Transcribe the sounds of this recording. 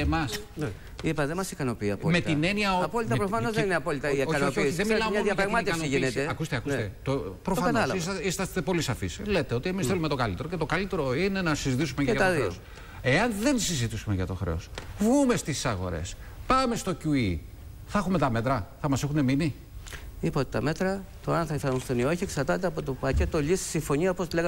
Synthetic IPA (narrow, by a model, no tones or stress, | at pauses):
emɐsn | ipɐðemɐsikɐnopiɐpomet̪ineniɐoɐpolit̪ɐpɾofɐnozenineɐpolit̪ɐoɐooiðemilɐɐnɐɾɐɣmɐt̪ɐnoʝintteɐkust̪eɐkust̪et̪opɾofɐɐnolsisist̪ɐst̪epo̞lisɐfisle̞t̪e̞o̞t̪iemisθe̞lume̞t̪o̞kɐlit̪e̞ɾo̞ce̞t̪o̞kɐlit̪e̞ɾo̞ine̞nɐsizit̪isumeʝɐɐt̪oðɾes | e̞ɐnðe̞nsizit̪isumeʝɐt̪o̞xɾe̞̰osvɣume̞st̪isɐɣo̞̰ɾḛs | pɐme̞st̪ocui | θɐɐxume̞t̪ɐme̞t̪ɾɐθɐmɐse̞xune̞mini | ipot̪et̪ɐme̞t̪ɾɐt̪oɐnθɐiθɐnunst̪onioçieksɐɾt̪ɐt̪̬eɐpo̞t̪opɐce̞t̪oʎisi̥siɱfo̞ɲiɐoposleɣɐ